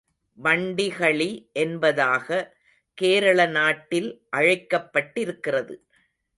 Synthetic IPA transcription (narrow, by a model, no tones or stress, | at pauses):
ʋɐɳɖɪɣɐɭiʔɛnbɐðaːɣɐ | keːɾɐɭɐnaːʈːɪlʔɐɻɐɪkːɐpːɐʈːɪɾɯkːɪrɐðɯ